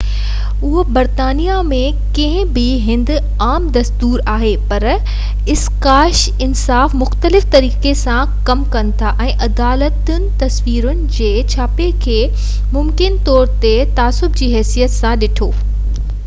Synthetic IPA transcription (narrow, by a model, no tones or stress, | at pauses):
ʊɦobɐɾt̪aːnijamẽ | kɐ̃ɦɪ̃bɪɦɪ̃nd̪ | aːmd̪ɐst̪uːɾaːɦepɐɾ | ɪskaːʃ | ɪnsaːfmʊxt̪əlɪft̪ɐɾiːkesã | kɐmkɐnɪ̆t̪ʰaʔɛ̃ːʔɐd̪aːlət̪ʊnɪ̆t̪ɐswiːɾʊnɪ̆d͡ʑeːt͡ɕʰaːpekʰeː | mʊmkɪnt̪ɔːɾt̪e | t̪aːsʊbd͡ʑiːɦɛːsijət̪sãɗɪʈʰoː